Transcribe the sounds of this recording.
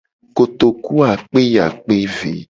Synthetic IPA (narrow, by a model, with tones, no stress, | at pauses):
ko˨t̪o˨ku˦a˨k͡pe˦ja˨k͡pe˦vḛ˨